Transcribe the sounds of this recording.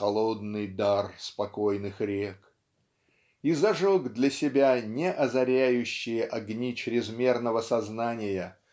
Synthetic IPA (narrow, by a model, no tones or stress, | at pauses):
ɐlˠod̪nɨjd̪arspɐkojnɨxɾʲek | izɐʐoɡd̪lʲəsʲɪbʲanʲɪʔɐzɐɾʲæjʉɕːɪjəʔɐɡnʲit͡ɕɾʲɪzmʲe̞rnəvəsɐznanʲɪjə